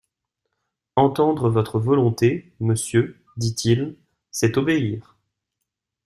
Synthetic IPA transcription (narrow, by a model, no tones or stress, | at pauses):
ɑ̃t̪ɑ̃d̪ʁəvɔt̪χəvɔlɔ̃t̪eməsjø | d̪it̪ʰil | sɛt̪ɔbeiːʁ